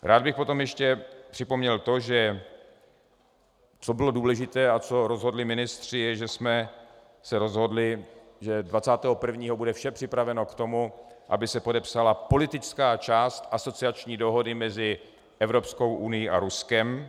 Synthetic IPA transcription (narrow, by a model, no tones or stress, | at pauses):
ɾʔaːd̪̚bɪxpo̞t̪o̞mjɛʃcɛpr̥ɪpo̞mɲɛlt̪o̞ʒɛ | t͡so̞bɪlo̞duːlɛʒɪt̪ɛːʔat͡so̞ɾo̞zɦo̞dlɪmɪnɪst̪r̝̥ɪjɛʒɛsmɛ | sɛɾo̞zɦo̞dlɪ | ʒɛdvat͡saːt̪ɛːɦo̞pr̩vɲiːɦo̞budɛfʃɛpr̝̥ɪpɾavɛno̞kt̪o̞muʔa̰bɪsɛpo̞dɛpsalapo̞lɪt̪ɪt͡skaːt͡ʃaːst̪ʔaso̞t͡sɪat͡ʃɲiːdo̞ɦo̞dɪmɛzɪ | ʔɛvɾo̞psko̞wʔunɪjiʔa̰ɾuskɛm